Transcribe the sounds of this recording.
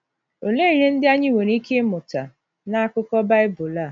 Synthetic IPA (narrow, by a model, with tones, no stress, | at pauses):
o˨le˦i˨˦ɦe˦n̩˦dɪ˦a˦ɲɪ˦˨we˨n˦i˦kʰe˦mʊ˨ta˨ | na˦a˦˨kʊ˦kɔ˦ba˦ɪ˦bʊ˨la˦˨